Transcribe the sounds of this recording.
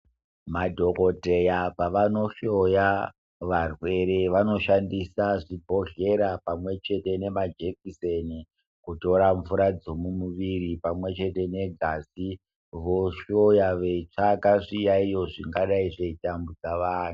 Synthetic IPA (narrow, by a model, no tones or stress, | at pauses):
madʱo̞ko̞te̞japaʋano̞ɬo̞ja | ʋarwe̞ɾe̞ʋano̞ʃandisaʐibʱo̞ɮe̞ɾapamwe̞t͡ʃe̞te̞ne̞mad͡ʒe̞kiseni | kuto̞ɾaɱvuɾad͡zo̞mumuʋiɾipamwe̞t͡ʃe̞te̞ne̞ɡʱasi | ʋo̞ʃo̞jaʋe̞t͡ʂakaʂijaijo̞ʐiŋɡaɗaiʐeitambud͡zaʋaːn̤u